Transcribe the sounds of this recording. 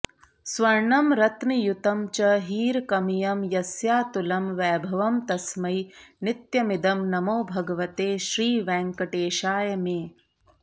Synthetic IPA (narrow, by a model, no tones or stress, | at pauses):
sʋɐɾɳɐmɾɐt̪nijut̪ɐmt͡ʃɐɦiːɾkɐmijɐmjɐsjaːt̪ulɐmʋɛːbʱɐʋɐmt̪ɐsmɐjnɪt̪jɐmid̪ɐmnɐmoːbʱɐɡɐʋɐt̪eːʃɾiːʋɛ̃ːŋkɐʈeːʃaːjɐmeː